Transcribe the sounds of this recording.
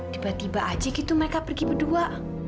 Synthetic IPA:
t̪ibat̪ibaʔad͡ʒaɡit̪uməɾekapərɡibədua

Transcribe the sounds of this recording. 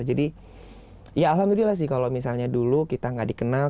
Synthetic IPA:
d͡ʒadi | jaːlɦamd̪ulilas̬ɪhkalomisalɲadulukit̪aŋɡadikənal

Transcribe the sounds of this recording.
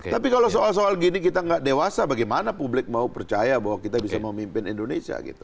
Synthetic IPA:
t̪apikalosoals̬oalɡinikit̪aŋɡaʔdewasabaɡajmanapublɪk̚maupərt͡ʃajabawakit̪abisaməmimpɪnindonesia̰ɡḭt̪u̥

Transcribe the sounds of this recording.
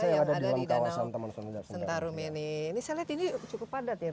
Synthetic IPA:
sajaŋadadalamkawasant̪əmənsənud͡ʒasənt̪aɾumɛninisaliat̪init͡ʃukʊpadat̪i

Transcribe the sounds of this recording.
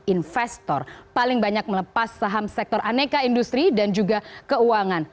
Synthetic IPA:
infɛst̪ɔrpalɪŋbaɲak̚mələpasːaɦamsɛk̚t̪ɔrʔanekaindust̪ɾidand͡ʒuɡakəuaŋan

